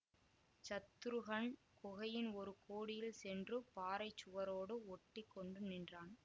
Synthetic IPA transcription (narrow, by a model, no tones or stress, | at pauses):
t͡ʃɐt̪ːɯɾɯɣɐɳ | kɔɣɐjɪnɔɾɯkʰoːɽɪjɪlsɛndrɯpaːɾɐɪt͡ʃːʊʋɐɾoːɽɯɔʈːɪkːɔɳɖɯnɪndraːn